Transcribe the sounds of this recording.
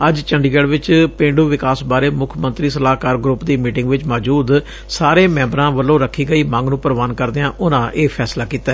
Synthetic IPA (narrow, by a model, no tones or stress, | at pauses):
əd͡ʒt͡ʃəɳɖiːɡɛːɖʋɪt͡ʃpẽːɳɖuːʋɪkaːsbaːɾeːmʊkʰmənt̪ɾiːsəlaːkaːɾɡɾʊpd̪iːmiːʈɪ̃ŋɡʋɪt͡ʃmɔːd͡ʒuːd̪ | saːɾeːmɛ̃ːmbɾãːʋəlːõːɾəkʰːiːɡəiːmãːŋɡnũːpəɾəʋaːnkəɾd̪ejãːʔʊnãːʔeːpʰɛːslaːkiːt̪aː